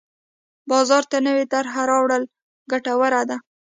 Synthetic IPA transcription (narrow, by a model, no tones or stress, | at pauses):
bɑzɑɾt̪anəwet̪aɾɦaɾɑwɽəl | ɡaʈawəɾad̪a